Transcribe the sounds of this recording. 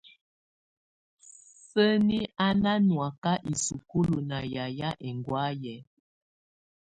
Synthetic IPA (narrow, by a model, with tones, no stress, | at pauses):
sə˦ni˦a˦na˦nwa˨ka˦ʔi˨su˨ku˦lu˨na˨ja˨ja˦ʔɛ˨ŋɡwa˦jɛ˨˦